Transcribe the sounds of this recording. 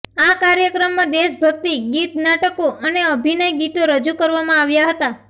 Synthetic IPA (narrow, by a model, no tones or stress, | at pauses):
akaɾjəkɾəmːãd̪eʃbʱəɡ̚t̪iɡit̪naʈəkoʔəneəbʱinəjɡit̪oɾəd͡ʒukəɾʋamãaʋjaɦət̪a